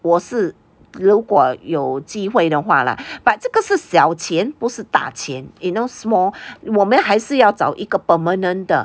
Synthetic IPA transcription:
wɔʂɻ̩ | lukwɔjoʊt͡ɕixweɪd̪əxwa̰lə̰paʈ͡ʂɤɡəʂɻ̩ɕjɑʊt͡ɕʰjɛnpuʂɻ̩t̪a̰t͡ɕʰjɛninoʊsmɔwɔmənxaɪʂɻ̩jɑʊt͡sɑʊʔiɡəpəmənənd̪ə̰

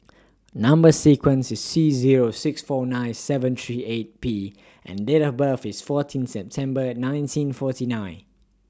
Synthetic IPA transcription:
nãmbəsikwə̃nsɪsːiziɹosɪksfɔnãɪnsɛvə̃nt̪ʰɹiet̚pi | ʔɛ̰̃ndetɔbəfɪsfɔtʰĩnsɛp̚tʰɛ̃mbənãɪ̃ntʰĩnfɔtinãɪ̃n

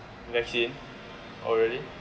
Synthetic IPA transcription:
vɛksĩn | ʔɔ̰lɹɛdi

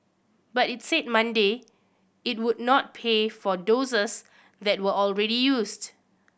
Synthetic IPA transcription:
batitsed̚mãnde | it̚wudnɔt̚pʰefɔdozəs | d̪ɛt̚wəɔlɹɛɾijusd

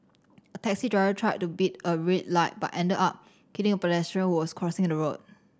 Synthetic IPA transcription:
ətʰɛksitɹaɪɹətʰɹ̥aɪt̚tːubitəɹet̚laɪt̚ba̰ʔʔɛ̃ndədap̚ | kʰitɪ̃ŋəpəlɛstɹə̃nhuwɔskʰɹɔsɪ̃ŋ̃dəɹot̚

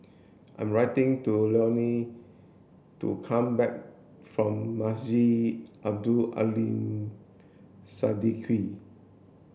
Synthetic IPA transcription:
ʔã̰j̃mɹaɪtɪ̃ŋtulɔni | tṵkʰãmbɛk̚ | fɹɔ̃mːasiʔab̚dua̰lĩm | sadikʰi

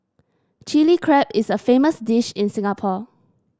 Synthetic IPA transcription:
t͡ʃilikʰɹɛpɪsəfeməsdɪʃɪ̃nsɪ̃ŋapʰɔ

